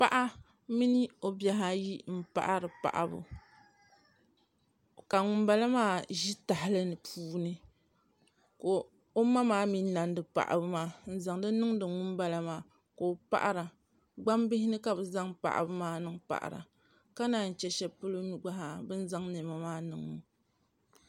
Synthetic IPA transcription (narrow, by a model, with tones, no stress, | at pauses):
pa˦ʔa˦ | mi˦ni˦o˨bja˦ɦa˦ji˦m̩˦pa̰˦ʔa˦ɾɨ˨pa̰˨ʔa̰˨bʊ̰˨ | ka˨ŋʊ˨mba˦la˦maː˦ʒi˦ta˨ɦɪ˦lɨ˦nɨ˨pʰuː˦nɨ˦ | ko˨ | o˦ma˦maː˦mi˦na˨ndɨ˨pa̰˨ʔa̰˨bɨ˦maː˦n̩˨za˨ŋdɨ˦nɨ˦ŋdɨ˨ŋʊ˦mba˦la˦maː˦˨ | ko˨o˨pa̰˦ʔɾa˨ | ɡ͡ba˦mbɪ˦hɪ˦nɨ˦ka˨bɨ˨za˦ŋpa̰˨ʔa̰˨bɨ˦maː˦nɨ˦ŋpa̰˨ʔa̰˨ɾa̰˨ | ka˦naː˨n̩˨t͡ʃɛ˦ʃɛ˦pɨ˦lo˦nu˦ɡ͡ba˦ɦa˨bɨ˦n˦za˦ŋnɛ˨ma˨maː˦nɨ˨ŋɨ˨